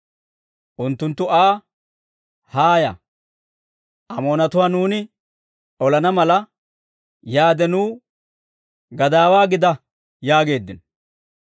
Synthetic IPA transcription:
ʔʊnt̪ːʊnt̪ːʊaː | haːjɐ̰ | ʔɐmo̞ːnɐt̪ʊwaːnuːnɪ | ɔlɐnɐmɐlɐ | jaːd̪ɛnuː | ɡɐd̪aːwaːɡɪd̪ɐ | jaːɡe̞ːd̪ːɪn

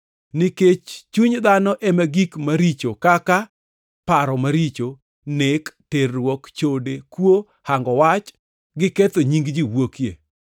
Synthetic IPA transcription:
niket͡ʃt͡ʃuɲd̪anɔʔemaɡikmaɾit͡ʃokaka | paɾɔmaɾit͡ʃo | nekterwɔkt͡ʃodekwo | haŋɡɔwat͡ʃ | ɡɪket̪oɲiŋɡd͡ʒiwokjḛ

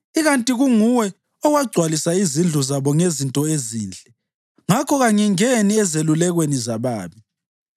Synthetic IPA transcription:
iɣantʼiɣuŋuwɛ | ɔwaɡ͡ǀʱwalisaizind͡ɮʱɔzaβɔŋezintʼɔeziːnd͡ɮʱɛ | ŋakʰɔɣaɲɛŋeniɛzelulɛɣwenizaβaːβi

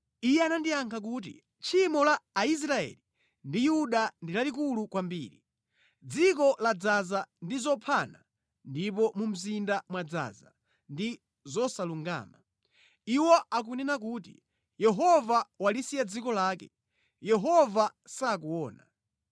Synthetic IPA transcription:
ijɛanandijaŋkʰak̬uːt̬ḭ | t͡ʃʰimɔlaːis̬ɾaɛ̰li | ndijuɗandilalik̬ulukwambḭːɾi | d͡zikɔlad͡zazandizɔpʰana | ndip̬ɔmum̩zindamwad͡za̰za̰ | ndi | zɔsaluŋɡa̰ːma | iwɔak̬unɛnak̬uːtḭ | jɛɦɔvawalisijad͡zikɔlaːkɛ̰ | jɛɦɔvasaːkuɔːna̰

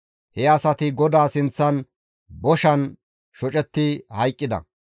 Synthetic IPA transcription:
hɛɐsɐt̪ɪɡɔd̪aːsɪnt͡sːɐn | bɔʃɐn | ʃɔt͡ʃʼɛt̪ːɪhɐjkʼːɪd̪ɐ̰

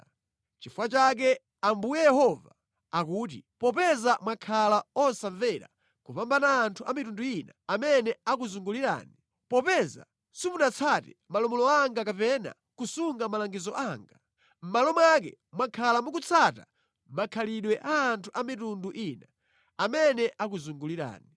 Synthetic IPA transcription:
t͡ʃifuwat͡ʃak̬ɛ | ambujɛjɛhɔva | akuːt̬ipɔpɛzamwakʰalaɔsaɱvɛɾa̰ | kupambanaːntʰuamitunduinaamɛnɛakuzuŋɡuliɾa̰ːni | pɔpɛza̰ | simunat͡sʰatɛmalɔmɔlɔaŋɡakapɛna̰ | kusuŋɡamalaŋɡizɔʔaːŋɡa | m̩malɔmwak̬ɛ̰ | mwakʰalamuk̬ut͡sʰata̰ | makʰaliɗwɛʔaːntʰuʔamitunduʔina | amɛnɛʔakuzuŋɡuliɾa̰ːni

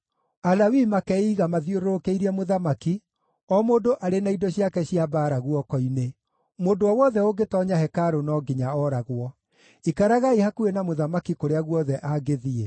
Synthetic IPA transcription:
alawimakɛiɣamaðjoɾoɾokeiɾɛmoðamaki | ɔmodoʔaɾenaidɔɕjakɛɕiabaːɾaɣwɔkɔine | moːdoɔwɔðɛoɡetɔɲahɛkaɾonɔɡiɲaɔɾaɣwɔ | ikaɾaɣaihakuenamoðamakikoɾeaɣwɔðɛʔaɡeðiɛ

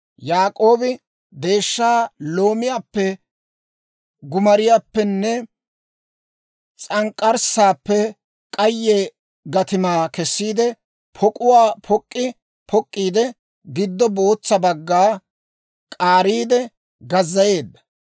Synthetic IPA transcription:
jaːkʼo̞ːbɪ | d̪e̞ːʃːaːlo̞ːmɪjaːpːɛ | ɡʊmɐɾɪjaːpːɛnːɛ | t͡sʼɐŋkʼːɐɾsaːpːɛ | kʼɐjːɛ | ɡɐt̪ɪmaːkɛsːiːd̪ɛ | pʰɔkʼʊwaːpʰɔkʼːɪ | pʰɔkʼːiːd̪ɛ | ɡɪd̪ːɔbo̞ːt͡sːɐbɐɡːaː | kʼaːɾiːd̪ɛ | ɡɐzːɐje̞ːd̪ːɐ̥

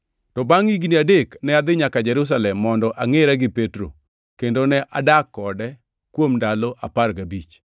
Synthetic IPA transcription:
tɔbaŋiɡniadeknɛad̪ɪɲakad͡ʒɛɾus̬alɛmːɔndɔʔaŋeɾaɡɪpetɾo̰ | kendonɛʔadakːɔdɛ | kwomndaloʔaparɡabit͡ʃ

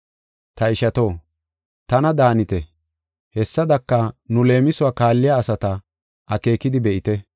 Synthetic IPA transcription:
t̪ɐɪʃɐt̪o̞ː | t̪ɐnɐd̪aːnɪt̪ɛ | hɛsːɐd̪ɐkːɐnʊle̞ːmɪsʊaːkaːlːɪjaːsɐt̪ɐ | ʔɐke̞ːkɪd̪ɪbɛʔɪt̪ɛ

